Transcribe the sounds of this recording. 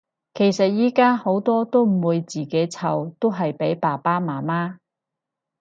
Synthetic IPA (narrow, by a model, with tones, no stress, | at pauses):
kʰe˨˩jsɐ˨t̚jiː˥kaː˥ho˨˥wt̪ɔː˥t̪o˥wm̩˨˩wuː˨˧jt͡siː˨˩ke˨˥jt͡sʰɐ˨˩wt̪o˥wɦɐ˨jpe˨˥jpaː˨˩paː˥maː˨˩maː˥